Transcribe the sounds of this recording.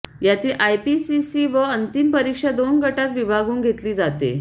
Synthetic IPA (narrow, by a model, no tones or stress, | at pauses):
jat̪iːlʔajpisisiːʋəənt̪impəɾikʂad̪onɡəʈat̪ʋibʱaɡuːŋɡʱet̪liːd͡zat̪ḛ